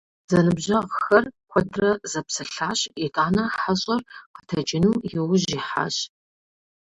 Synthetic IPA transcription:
z̥ɐnɨbʑɐʁxɐrxʷɔdʰrɐzɐpsɐɬaːɕɪtʼaːnɐħħaɕʼɐrqətʰɐd͡ʒʼɪnuːjɛwʊʑiħa̰ːɕ

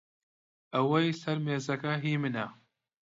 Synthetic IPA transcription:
ɐwɐjsɐɾmeːzɐkɐɦiːmɨnɐ

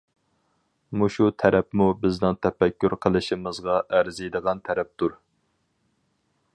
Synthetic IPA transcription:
muʃut̪ʰɛɾɛpmubɪznɨŋt̪ʰɛfɛkʲːyɾqʰəlˠɨʃimɨzʁɑʔæɾzijd̪əʁɑnt̪ʰɛɾɛp̚t̪uɾ

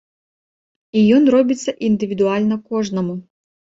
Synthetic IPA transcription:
ijɔnrɔbʲɪt͡sʲːɐʔind̪ɪʋʲid̪ʊɑlʲnɔkɔʐnɔmʊ

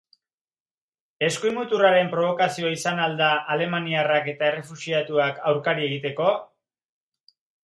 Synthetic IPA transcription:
e̞skujmut̪uraɾe̞mpɾo̞β̞o̞kasio̞isanald̪aʔːle̞maniarake̞t̪ae̞re̞fusiat̪uakawɾkaɾie̞ɣit̪e̞ko̞

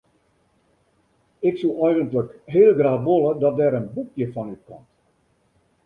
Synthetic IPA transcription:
ɪksulʔɛjɣəntləkɦeːlˠɡraːxʋolˠədɔt̚dɛɾənbukjəfɔnyt̚kɔmt

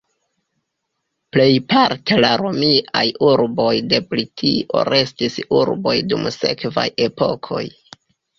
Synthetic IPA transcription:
ple̞jpaɾte̞laɾomiʔajuɾbo̞jde̞plitʰiʔo̞̰ɾe̞stisuɾbo̞jdumse̞̰kva̰je̞po̞̰kʰo̞̰j

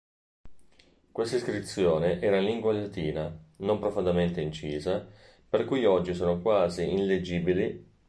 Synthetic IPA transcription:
kwest̪aiskɾit̪sːjoːneʔɛːɾaliŋɡwailat̪iːnanompɾofond̪ament̪eint͡ʃiːza | perkujɔd͡ʒːisoːnokwaːziinled͡ʒiːbili

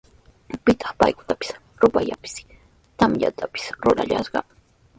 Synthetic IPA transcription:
pɪt̪ʰɑ̥χpa̰jkʊt̪apɪ̥s | ɾʊpaja̰pɪ̥s | t̪amja̰t̪ʰapɪ̥sɾʊɾa̰ʎaʃɢɑ

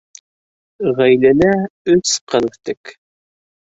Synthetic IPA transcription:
ʁæjlælæɵsqɤɾt̪ɘk

